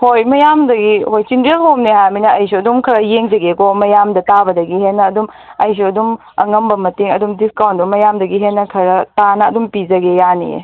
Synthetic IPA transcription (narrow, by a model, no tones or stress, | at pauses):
hojmɐjamdɐɡihojsinɾielhomneɦajminɐɐjs̬uɐdumkʰɐɾɐjeŋzɐɡekomɐjamdɐtabɐdɐɡiɦenːɐːdum | ɐjs̬uɐdum | ɐ̰ŋɐmbɐmɐteŋɐdumdiskawntdumɐjamdɐɡiɦenːɐkʰɐɾɐtanɐːdumpizɐɡejanḭḛ